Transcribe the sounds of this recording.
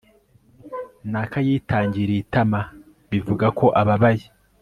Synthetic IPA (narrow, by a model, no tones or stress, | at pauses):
nakajiːtaːɲɟiɾitama | βivuɡakʰo̞ʔaβaβaji